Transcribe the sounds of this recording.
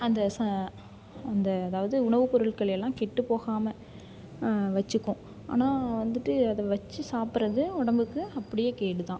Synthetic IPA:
ɐnd̪ɐsɐ | ɐnd̪ɐːðaːʋɐðɯʊɳɐʋɯpɔɾɯɭkɐɭɛlːãːkɛʈːɯpːoːɣaːmɐ | ʋɐt͡ʃːɯkːʊ̃ | a̰ːnaːʋɐnd̪ɯʈːɯɐðɐʋɐt͡ʃːɯsaːpɯɾɐðɯʊɽɐmbɯkːɯɐpːɐɽɪjeːkeːʈːɯt̪ãː

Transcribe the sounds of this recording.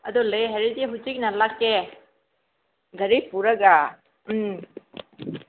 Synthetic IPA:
ɐdulejɦeɾidiɦut͡ʃik̚nalakːe | ɡʱɐɾipuɾɐɡa

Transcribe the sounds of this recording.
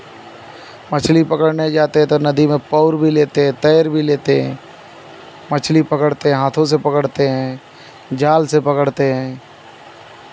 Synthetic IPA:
mət͡ʃʰlipəkəɽned͡ʒaːt̪eɦɛ̃t̪onəd̪imẽpɔʊɾbʱileːt̪eɦɛ̃t̪əːɾbʱileːt̪eɦɛ̰̃ː | mət͡ʃʰlipəkəɽt̪eɦɛ̃ɦaːt̪ʰõs̬epəkəɽt̪eɦɛ̃ː | d͡ʒaːlsepəkəɽt̪eɦɛ̃ː

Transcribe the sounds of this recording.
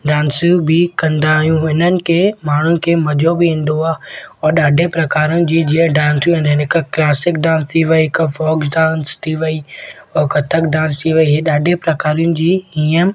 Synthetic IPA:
ɖãːnsibʱɪkɐ̃nd̪aːɦijũɪnənɪ̆kemaːɳ̤unɪ̆kemɐd͡ʒʱobʱiĩːn̆d̪oaːɔːɾɗaːɖʱepɾɐkaːɾinɪ̆d͡ʑiːd͡ʑiːə̃ɖãːnsũnd̪nɪkklaːsɪk̚ɖãːnst̪ʰiʋɐikfɔːɡɖãːnst̪ʰiʋɐi | ɔːkɐt̪ʰəkɖãːnst̪ʰiʋɐiɦeɗaːɖʱepɾɐkaːɾijʊ̃nɪ̆d͡ʑiːiːəm

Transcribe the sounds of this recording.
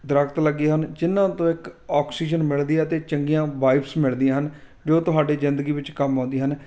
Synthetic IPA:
d̪ɾəkt̪ləɡeːɦənd͡ʒɪnːãːt̪õːɪkaːksiːd͡ʒənmɪɭd̪iːaːt̪eːt͡ʃəŋɡijãːʋaːɪpsmɪɭd̪ijãːɦən | d͡ʒoːt̪ʊɦaːɖeːzɪnd̪əɡiːʋɪt͡ʃkəmõːnd̪iːɦən

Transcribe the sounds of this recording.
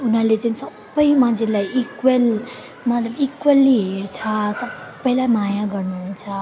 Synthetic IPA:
unɦʌɾlet͡sanisʌbːəjmãnd͡zʱelajikwel | mat̪ləbikwelːiɦeɾt͡sʰasʌbbːəjlajmajaɡʌɾnuɦunt͡sʰʌ

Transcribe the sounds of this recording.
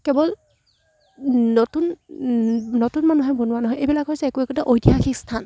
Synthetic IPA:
kɛbɔl | notun | notunmanuɦɔjbʱɔnʊwanɔɦɔjʔejbilakɦojsɛɛkuɛkutaʔojdijaxʰikstʰan

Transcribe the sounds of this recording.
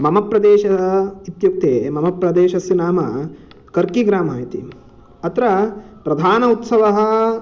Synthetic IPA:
mɐmɐpɾɐd̪eːʃɐit̪juk̚t̪eːmɐmɐpɾɐd̪eːʃɐsinaːmɐ | kɐɾkiɡɾaːmɐit̪ḭ | ɐt̪ɾɐ | pɾɐd̪ʱaːnɐut̪sɐʋɐɦɐ̆

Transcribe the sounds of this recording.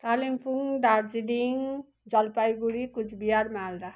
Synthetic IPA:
kalimpuŋd̪aɾd͡ʒidiŋ | d͡ʒʌlpajɡuɾikut͡ʃʰbijaɾmald̪a

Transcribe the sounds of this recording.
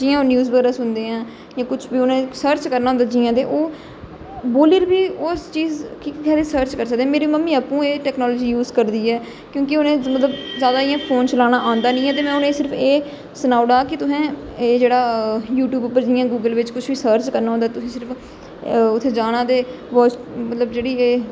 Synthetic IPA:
d͡ʒiːãːonjuːzbəɡɛːɾaːsʊnd̪eːãː | jãːkʊt͡ʃʰbiːʊnẽːsəːɾt͡ʃkəɾnaːõnd̪aːd͡ʒɪːãːt̪eːʔoː | boːlɪɾbiːoːst͡ʃiːzkiːkːkɛːd̪eːsəːɾt͡ʃkəɾs̬əkd̪ẽɛ̃ːmeːɾiməmːiːəpũːeːʈɛːknɔːlɔːd͡ʒiːjuːzkəɾd̪iːɛː | kjõːkɪʊnẽːmət̪ləbzjaːd̪aːɪjãːpʰoːnt͡ʃəlaːɽ̃aːʔãːnd̪aːnĩːɛːt̪eːmɛ̃ːʊnẽːsɪɾəpʰeː | sənaːʊɽaːkɪt̪ʊsɛ̃ː | eːd͡ʒeːɽaːjuːʈjuːbʊpːəɾd͡ʒɪjãːɡuːɡəlʋɪt͡ʃkʊt͡ʃʰʋiːsəːɾt͡ʃkəɾnaːõnd̪aːt̪ʊsĩːsɪɾəpʰ | ʊt̪ʰːeːd͡ʒaːɽ̃ãːd̪eː | ʋɔːsmət̪ləbd͡ʒeːɽiːeː

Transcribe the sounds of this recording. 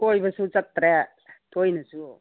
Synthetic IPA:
kojbɐsut͡sɐk̚tɾe | tojnɐsu

